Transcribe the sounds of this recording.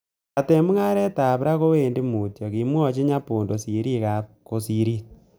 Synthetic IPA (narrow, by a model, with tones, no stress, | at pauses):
a˨te˨mu˦ŋa˦ɾɛ˦ta˨βɾa˦ko˦weː˨nde˦mu˨tjɔ˨ki˨mwɔ˦t͡ʃi˦ɲa˦poː˨ndo˨si˨ɾi˦ka˨ | ko˨si˨ɾi˦